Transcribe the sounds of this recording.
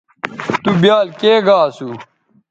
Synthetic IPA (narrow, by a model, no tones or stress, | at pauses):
t̪ubjaːlkeːɡaːsu